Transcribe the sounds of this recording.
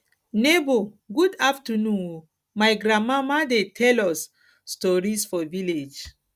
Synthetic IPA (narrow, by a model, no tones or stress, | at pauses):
neboɡudaftənũno | majɡɾãmamadetʰɛlɔsː | tɔɹisfɔviled͡ʒ